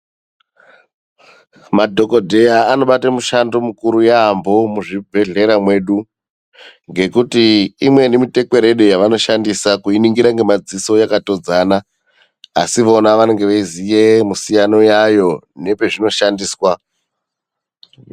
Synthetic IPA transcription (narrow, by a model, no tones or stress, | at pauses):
madʱo̞ko̞dʱe̞jaːnoɓatamuʃandomukuɾujaːmbo̞muʐibʱe̞ɮe̞ɾamwe̞ɗu | ŋɡe̞kutiːmwe̞nemite̞kwe̞ɾe̞ɗo̞jaʋano̞ʃandisakuiniŋɡiɾaŋɡe̞mad͡ziso̞jakato̞d͡zana̰ː | siʋo̞naʋane̞ŋɡe̞ʋaizije̞musijano̞jajo̞ne̞pe̞ʐino̞ʃandiːswa